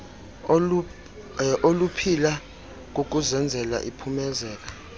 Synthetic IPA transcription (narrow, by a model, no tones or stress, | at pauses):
ʔolupʰila | k̬ok̬uzɛnd͡zʱɛla̰ʔipʰumɛzɛːka